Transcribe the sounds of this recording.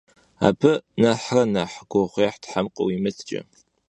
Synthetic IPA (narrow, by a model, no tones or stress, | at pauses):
a̰ːbʰɨnɐħrɐnɐħɡʷɔʁʷeːħtħamqʼɐwimɨtʰt͡ʃʼɐ̰